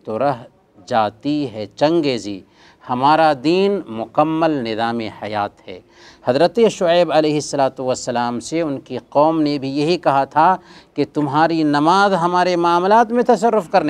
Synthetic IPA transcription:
t̪oɾɐɦ | d͡ʒaːt̪iɦɛːt͡ʃɐ̃ŋɡeːzḭ | hɐmaːɾad̪iːnmʊkəmːəlnɪzaːmḛhɐjaːt̪hɛ̰ː | hɐzɾət̪eʃʊeːbɐleːɦɪsːɐlaːt̪uʋɐsːɐlaːmseʊnkiqɔːmnebʱijɐɦikɐɦat̪ʰaket̪ʊmɦaːɾinɐmaːzɦɐmaːɾemaːmlaːt̪mẽt̪ɐs̬ɐɾːʊfkɐɾne

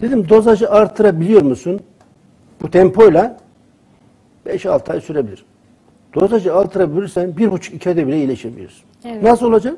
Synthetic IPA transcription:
d̪̥e̞d̪imd̪o̞zaʒɯʔaɾt̪ʰɯɾabilʲijo̞ɾmusun | b̥ut̪ʰɛmpʰo̞jlʲˠa | b̥ɛʃa̰lˠt̪ʰa̰jsyɾebilʲḭɾ | d̪̥o̞zad͡ʒɯalˠt̪ʰɯɾabilʲiɾsænbiɾbut͡ʃʰu̥kicʰad̪ɛbilʲɛilʲeʃebilʲḭɾiz | nasɯlo̞lˠad͡ʒak

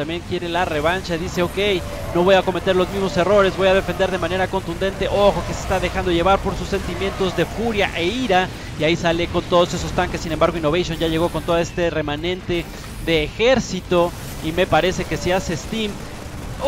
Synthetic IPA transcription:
t̪ambje̞ŋkje̞ɾe̞lare̞βant͡ʃaðise̞o̞ke̞j | no̞β̞o̞jako̞me̞t̪e̞ɾlo̞zmizmo̞se̞ro̞ɾe̞zβo̞jað̞e̞fe̞nd̪e̞ɾðe̞mãne̞ɾako̞nt̪und̪e̞nt̪e̞ʔo̞xo̞kesest̪aðe̞xand̪o̞ʝeβaɾpo̞ɾsusːe̞nt̪imje̞nt̪o̞zðe̞fuɾja̰ʔeiɾa | iaisale̞ko̞nt̪o̞ðo̞se̞so̞st̪aŋke̞sːine̞mbaɾɣo̞inoβejsjo̞nʝaʝe̞ɣ̞o̞ko̞nt̪o̞ðoe̞st̪ere̞manẽ̞nt̪e̞ | ðe̞ːxe̞ɾsit̪o̞ | ime̞paɾe̞se̞ke̞siase̞st̪im

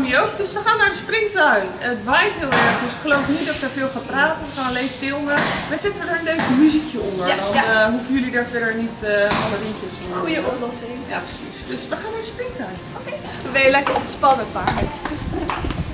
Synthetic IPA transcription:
miowkdøsʋəχaːnːaːɹdəsprɪŋktœɥətʋɛjtɦɪːlˠɛɹχdʏsɪ̥kχəlowfnit̚dɑtʋəɹfɪːlˠχanpraːtəəχaːnəlejfkɪlˠməmaz̥ɪtəʋədaːɹənleɥkəmyzikjəɔndəɹdɔnɦufənjɵlidaːɹfɛdəɹnitəɑləʋɪŋkəsmujəʔɔplɔsɪŋja̰ːprəsḭsd̥øsʋəχaːnːaɹdəsprɪŋtœɥ | k | ʋəʋejəlɛkəɹɔnspɑnənbaɦɛtsprɪŋt

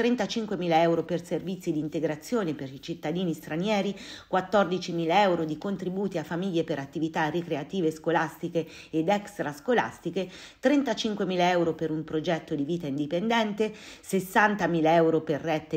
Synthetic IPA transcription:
t̪ɾent̪at͡ʃiŋkwemiːlaɛwɾoperservit̪sːid̪int̪eɡɾat̪sːjoːneperit͡ʃit̪ːad̪iːnist̪ɾanjɛːɾikwat̪ːord̪it͡ʃimiːlaɛwɾod̪ikont̪ɾibuːt̪iafːamiʎːepeɾat̪ːivit̪arekɾeat̪iːveskolast̪ikeː | d̪ɛkst̪ɾaskola̰st̪ike | t̪ɾent̪at͡ʃiŋkwemiːlaɛwɾopeɾumpɾod͡ʒɛt̪ːod̪iviːt̪aind̪ipend̪ɛnt̪esesːant̪amiːlaɛwɾoperːɛt̪ːe

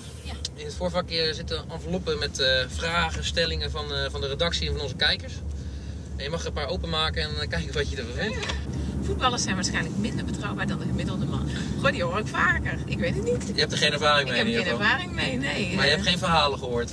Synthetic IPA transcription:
ɪnətfoːɹfakːɪəɹzɪtəɔnfəlopəmɛtfraːɣəstɛlɪŋəvɔnfɔndəredɑksiənvɔnɔnzəkɛjkəɹs | ʔɛnjəmɑxəpaːɹowpənmaːkəɛnkɛjkɪkʋɔtjədəʋəʋɪnfut̚bɑlˠəsɛjnʋaɹsxɛjnləkmɪndəbətrɑwbaːdɔndəɣəmɪdəlˠdəmɑ̰n | xodijoːokfaːkərɪkʋeːtətnitjəhɛp̚təxeːnɛɹvaːrɪŋmeəjnɛvaːrɪŋmejnemajəɛpxeːnfərɦaːləxəhoːɹt

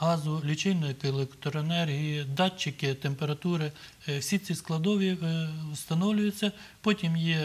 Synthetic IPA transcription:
ɦɑzʊlʲit͡ʃɪjnɐjkelˠekt̪ɾɔenɛrɦʲijid̪ɑt͡ʃːɪkɪt̪empeɾɐt̪uɾɪ | wsʲit͡sʲisklˠɐd̪ɔʋʲiwst̪ɐnɔwlʲʊjʊt͡sʲːɐ | pɔtʲimjɛ

